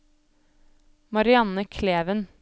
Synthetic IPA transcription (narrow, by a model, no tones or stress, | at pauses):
mɑɾɪɑnəkʰleːʋən